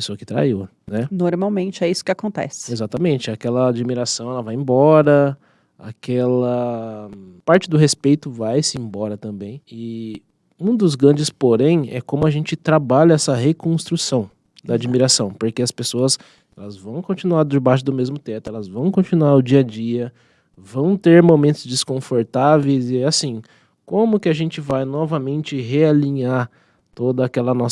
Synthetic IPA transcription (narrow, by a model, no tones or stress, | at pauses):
pesoɐkɪ̥t̪ɾa̰iwɐ | nɛnoɾmawmẽnt͡ʃɪɛisʊ̥kɪakõnt̪ɛ̰sɪ̥ezat̪ɐmẽnt͡ʃɪakɛlɐad͡ʒimiɾasɐ̃w̃ɛlɐvajẽbɔɾɐ | a̰kɛlɐ | paɾt͡ʃɪd̪ʊɦespejt̪ʊvajsɪẽbɔɾɐt̪ɐ̃mbẽj̃ɪ | ũd̪ʊzɡɾɐ̃nd͡ʒɪspoɾẽj̃ɛ̰kõmʊaʒẽnt͡ʃɪt̪ɾabaʎɐɛsɐɦekõst̪ɾusɐ̃w̃ | d̪ɐːd͡ʒimiɾasɐ̃w̃poɾkeɐspesoɐs | ɛlɐzvɐ̃w̃kõnt͡ʃinuaɾd̪ɪbajʃʊd̪ʊmezmʊt̪ɛt̪ʊɛlɐzvɐ̃w̃kõnt͡ʃinuaɾʊd͡ʒiɐd͡ʒiɐ | vɐ̃w̃t̪eɾmomẽnt̪ʊzd͡ʒɪskõfoɾt̪avejzɪɛasĩ | kõmʊkɪaʒẽnt͡ʃɪvajnɔvɐmẽnt͡ʃɪɦealĩɲaɾ | t̪od̪ɐːkɛlɐnɔ